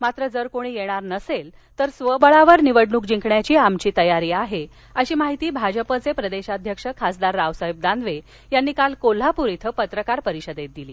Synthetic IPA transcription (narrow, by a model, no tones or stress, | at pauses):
mat̪ɾəd͡zəɾkoɽ̃iːjeɽ̃aɾnəsel | t̪əɾsʋəbəɭaʋəɾniʋəɽɳuk̚d͡ʑiŋkɳjat͡ɕiːamt͡ɕiːt̪əjaɾiːaɦe | əɕiːmaɦit̪iːbʱad͡ʑəpət͡sepɾəd̪eɕad̪ʱjəkʂəkʰasd̪aɾːaʋsəɦib̚d̪and̪ʋe | janːiːkalkol̤apuɾit̪ʰəpət̪ɾəkaɾpəɾiɕəd̪et̪̚d̪iliː